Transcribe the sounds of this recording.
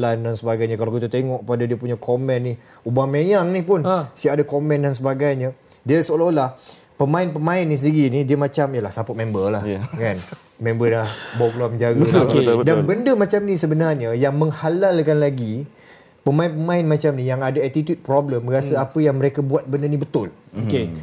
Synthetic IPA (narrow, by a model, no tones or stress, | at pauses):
landansəbaɡajɲãkalawkit̪ut̪eŋɔʔkəpadadiəpuɲakʰomɛnːi | ubamejaŋnipʊnsiaadakomɛ̃ndans̬əbaɡajɲa | diəsəolaolah | pəmãɪnpəmãɪnːis̬əndiɣinidiəmat͡ʃamijəlahsapʊt̪̚mɛ̃mbəlahkan | mɛ̃mbəlahboklɔməɲd͡ʒaɡəudabəndəmat͡ʃamnisəbənarɲəjaŋməŋhalalkanlaɡi | pəmãɪnpəmãɪnmãt͡ʃamnijaŋadaɛt̪it̪jut̪̚pɾɔbləmɾasəapəjaŋməɾekabuat̪̚bəndənĩbət̪ʊloke